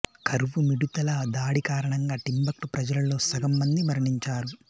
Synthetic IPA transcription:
kʰɐɾʋumiɽut̪ɐlɐd̪aːɽikaːɾɐɳɐŋɡaːʈimbɐk̚ʈupɾɐd͡ʒɐlɐlo̞ːsɐɡɐmːɐnd̪iʋɐɾɐɳiɲt͡ʃaːɾu

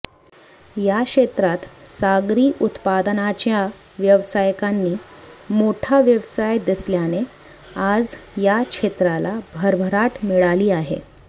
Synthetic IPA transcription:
jakɕet̪ɾat̪saɡɾiːʔut̪pad̪nat͡ɕja | ʋjəʋsajkanːiːmoʈʰaʋjəʋsajd̪isljane | ad͡zjakʂet̪ɾalabʱəɾbʱəɾaʈmiɭaliːaɦḛ

